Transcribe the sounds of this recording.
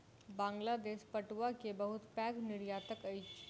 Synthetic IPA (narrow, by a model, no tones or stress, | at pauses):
bãːŋɡlaːd̪eːʃpəʈʋakebəɦʊt̪pɛ̃ːɡnɪɾjaːt̪əkɐi